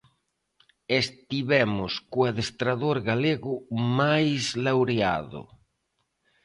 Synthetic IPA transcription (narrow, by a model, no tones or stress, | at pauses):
est̪iβɛmʊskoaðest̪ɾaðoɾɣaleɣʊmajzlawɾea̰ðʊ̰